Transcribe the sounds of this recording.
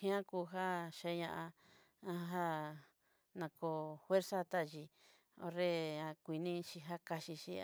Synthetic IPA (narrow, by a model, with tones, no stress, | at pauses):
hĩ˦ã˦kuː˧ɦa˦ʃe˧˦ɲã˧ʔã˧ | ã˧ɦa˦ | nã˧ko˧˨fwe˦ɾsa˦t̪a˦˨ʒi˧ | o̰˧ɾe˦ã˧kʷi˧nĩ˦ʃi˧ɦa˦ka˧ʃi˧ʃi˧